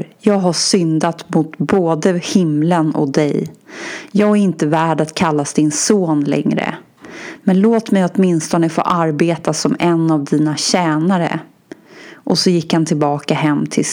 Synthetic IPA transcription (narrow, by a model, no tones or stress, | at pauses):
jɑːɡɦaʂʏnd̪at̪mʊt̪boːd̪əhɪmlənɔ̰kd̪ɛ̰j | jɑːɡæɾɪnt̪əvæːɖat̪kʰalːasd̪ɪnsoːnlɛ̰ŋɾə̰ | mɛnloːt̪mɛjɔt̪mɪnst̪ɔnəfo̰ːʔaɾbeːt̪asɔmɛnːavd̪iːnaɕɛːnaɾə̰ | ʔɔsɔjɪkhant̪ʰɪlbɑːkaɦɛmːt̪ʰɪl